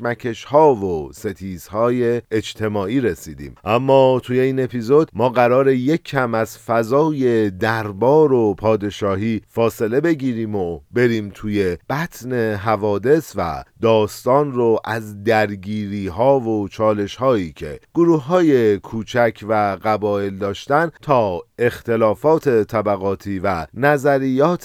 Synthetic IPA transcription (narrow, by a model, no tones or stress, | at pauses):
mæcʰe̞ʃhɒːvose̞t̪ʰiːz̥hɒːje̞ːd͡ʒt̪ʰe̞mɒːʔiːɾesiːd̪ḭːmʔæmːɒːt̪ʰuːje̞iːne̞pʰizo̞d̪mɒːɣæɾɒːɾe̞je̞cʰːæmæzfæzɒːje̞d̪æɾbɒːɾopʰɒːd̪e̞ʃɒːɦiːfɒːse̞le̞be̞ɟiːɾiːmobe̞ɾiːmt̪ʰuːje̞b̥æt̪ʰne̞ɦævɒːd̪e̞svæ̰d̪ɒːst̪ɒːnroʔæzd̪æɾɡiːɾiːɦɒːvot͡ʃʰɒːle̞ʃhɒːiːcʰe̞̰ɡ̥oɾuːhɦɒːje̞kʰuːt͡ʃʰæcʰvæɢæbɒːe̞ld̪ɒːʃt̪ænt̪ʰɒːe̞xt̪e̞lɒːfɒːt̪ʰe̞t̪ʰæbæɣɒːt̪ʰiːvænæzæɾijɒːt̪ʰ